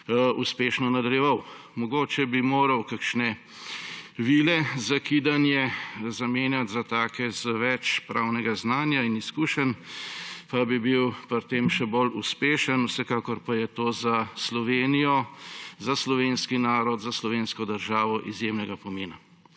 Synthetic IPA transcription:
uspeːʃnɔnad̪ɐljɛʋaw | mɔɡoːt͡ʃɛbimoːɾɐwkakʃnɛ | ʋiːlɛzakid̪anjɛzameːnjat̪zat̪aːkɛzəʋɛt͡ʃpɾawnɛɡaznaːnjainiskuːʃən | pabibiwpɾt̪emʃɛboluspeːʃənusɛkaːkɔɾpajɛt̪oːzaslɔʋeːnijɔzaslɔʋeːnskinaːɾɔd̪zaslɔʋenskɔd̪əɾʒaːʋɔʔizjemnɛɡapɔmeːna

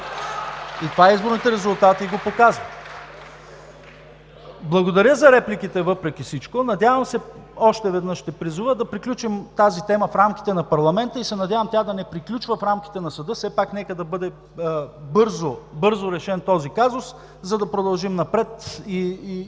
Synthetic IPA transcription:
it̪ovaizboɾnit̪ɛɾɛzulˠt̪at̪iɡopokazvə | blˠɐɡod̪ɐɾʲjəzɐɾɛplʲik̟it̪ɛvɤpɾɛkʲifsit͡ʃkonɐd̪javəmsɛ | ɔʃt̪ɛvɛd̪nɤʃt̪ɛpɾizuvəd̪ɐpɾiklʲut͡ʃimt̪azit̪ɛməfɾamkʲi̥t̪ɛnɐpɐɾlˠɐmɛnt̪əisɛnɐdʲjavəmt̪ʲad̪ɐnɛpɾiklʲut͡ʃvəfɾamk̟i̥t̪ɛnɐsɐd̪ɤfsɛpaknɛkəd̪ɐbɤd̪ɛ | bɤɾzobɤɾzoɾɛʃɛnt̪ɔzikazʊs | zɐd̪ɐpɾod̪ɐlˠʒimnɐpɾɛt̪i

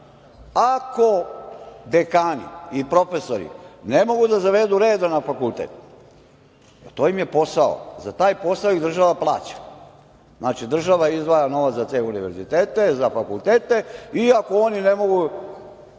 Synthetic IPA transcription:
ako̞ | d̪ekaːnḭipɾo̞fe̞soɾḭnemo̞ɡud̪azaʋe̞d̪uɾeːd̪anafakulˠt̪ḛːt̪ | et̪o̞ːjimje̞po̞sao̰zat̪aːjpo̞saoiɣd̪r̩ʒaʋaplˠa̰ːt͡ɕḁ | znaːt͡ʃid̪r̩ʒaʋaizd̪ʋaːjano̞ʋat̪zat̪seːuniʋeɾzit̪eːt̪e̞zafakult̪eːt̪e̞iakoonine̞mo̞ɡu

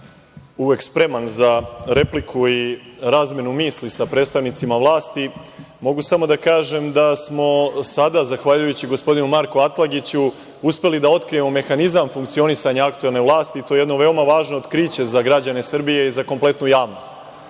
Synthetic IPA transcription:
uʋe̞kspɾe̞manzaɾe̞plikʰuiɾaːzmjenumiːslisapɾet̪st̪aʋnit̪simaʋlˠaːst̪i | mo̞ɡusamo̞d̪akaːʒe̞md̪asmo̞sad̪azaxʋaʎujut͡ɕiɡo̞spo̞d̪inumaɾkoat̪lˠaɡit͡ɕu | uspe̞lid̪ao̞t̪kɾije̞mome̞xanizamfuŋkt̪sio̞nisaɲaakt̪ue̞lˠneʋlˠaːst̪iːt̪o̞jeeno̞ʋe̞omaʋaːʒno̞od̪kɾiːt͡ɕe̞zaɡɾad͡ʑane̞sr̩bijeizako̞mple̞t̪nujaːʋno̞st̪

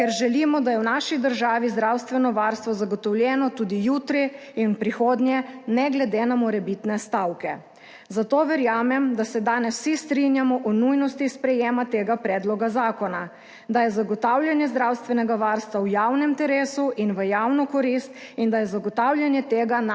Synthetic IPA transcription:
kɛɾʒɛlimɔd̪ajɛwnaʃid̪əɾʒaːʋizd̪ɾawst̪ʋɛnɔʋaːɾst̪ʋɔzaɡɔt̪ɔwlʲjɛːnɔt̪uːd̪ijuːt̪ɾiː | npɾixoːd̪njɛnɛɡlɛd̪enamɔɾɛbit̪nɛst̪awkɛ | zat̪oːʋɛɾjaːmɛmd̪asɛd̪aːnɛswsist̪ɾinjamɔʔɔnujnɔst̪ispɾɛjeːmat̪eːɡapɾɛːd̪lɔɡazaːkɔna | d̪ajɛzaɡɔt̪awljanjɛzd̪ɾawst̪ʋɛnɛɡaʋaːɾst̪ʋawjawnɛmt̪ɛɾeːsuʔinʋəjawnɔkɔɾist̪ind̪ajɛzaɡɔt̪awlʲjanjɛt̪eːɡan

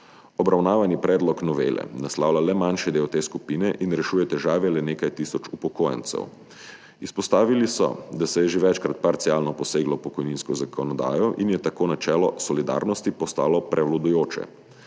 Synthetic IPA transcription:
ɔbɾawnaːʋanipɾɛːd̪lɔknɔʋḛːlʔɛ̰naslaːwlalɛmanʃɛd̪eːwt̪eːskupinɛʔinɾɛʃuːjɛt̪ɛʒaːʋɛlɛneːkajt̪iːsɔt͡ʃupɔkoːja̰nt̪sɛ̰w | ispɔst̪aːʋilisɔ̰d̪asɛjɛʒeʋɛt͡ʃkɾat̪̚paɾt̪siaːlnɔpɔseːɡlɔpɔkɔjninskɔzakʰɔnɔd̪a̰ːjɔʔinjɛt̪akoːnat͡ʃɛːlɔsɔlid̪a̰ːɾnɔst̪ipɔst̪a̰ːlɔpɾʔɛwlɔd̪ujoːt͡ʃɛ̰

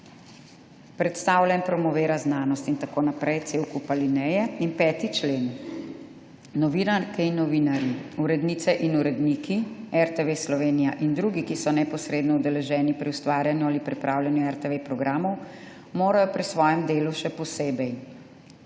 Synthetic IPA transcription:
pɾɛt̪st̪aːwlʲjanpɾɔmɔʋeːɾaznaːnɔst̪int̪akoːnapɾɛjt̪seːwkupalinɛjɛinpɛːt̪it͡ʃleːn | ɔʋinaɾkɛinːɔʋinaɾjiuɾɛd̪niːt̪sɛʔinuɾɛd̪niːkiɛɾt̪eʋeslɔʋeːnijaʔind̪ɾuɡikisɔnɛpɔsɾeːd̪nɔud̪ɛlɛʒɛːnipɾiust̪ʋaːɾjanjuaːlipɾipɾʔawlʲjanjuɛɾt̪eʋepɾɔɡɾʔaːmɔw | moːɾajɔpɾisʋɔːjɛmd̪eːluʃɛpɔseːbɛj

